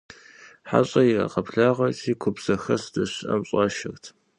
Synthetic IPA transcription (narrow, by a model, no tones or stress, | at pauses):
ħa̰ɕʼɐjirɐ̰qɐpɬaːʁɐtʰiːkʷʰʊbz̥ɐxɐsd̥ɐɕʔɐ̰mɕʼɑːʃɐrtʰ